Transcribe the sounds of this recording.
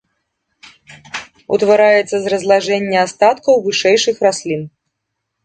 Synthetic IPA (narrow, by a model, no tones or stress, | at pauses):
ṵt̪vaɾajɛt̪sːɐzrɐzlˠaʐɛnʲːɐast̪at̪kɐwvɨʂɛjʂɨxrasʲlʲin